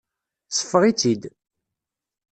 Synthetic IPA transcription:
sə̥fːəʁit͡sːid̪

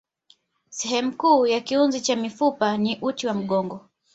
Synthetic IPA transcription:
sɛɦɛmukuːjakiunzit͡ʃamifupaniʔutiwam̩ɠɔŋɡɔ

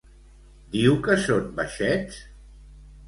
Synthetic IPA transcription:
d̪iwkəsonbaʃɛt͡s

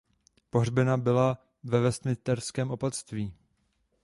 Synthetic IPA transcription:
po̞ɦrbɪnabɪla | vɛvɛst̪mɪt̪ɛɾskɛːmo̞pat̪st̪viː

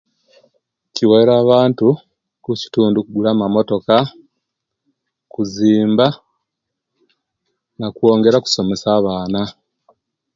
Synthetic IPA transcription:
ciweeɾaːβaːntu | kuci̥tuːndukuɡulaːmamo̞to̞ka | kuziːmba | nakuo̞ːŋɡe̞ɾaku̥so̞me̞saːβaːna

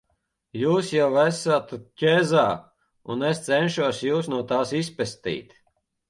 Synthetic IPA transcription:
juːsjawæsat̪cʲezaː | ṵnest̪sɛnʃuɔsjuːsnuɔt̪aːsispɛst̪ḭːt̪

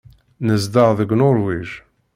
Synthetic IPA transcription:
nəzd̪əʁðəɡʷnoɾˤwiʒ

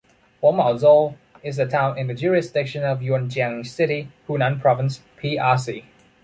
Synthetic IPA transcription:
wɔmaʊzɔ | ɪzðətʰãʊ̃nɪ̃nðəd͡ʒuɹɪsdɪkʃə̃nəvjuə̃nd͡ʒãŋsɪɾihʰunãnpʰɹ̥ɔvə̃ns | pʰiːasi

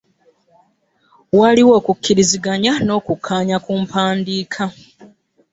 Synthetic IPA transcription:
waliwo̞ːkukːiɾiziɡaɲano̞ːkukʰːaːɲakuːmpaːndiːkʰa

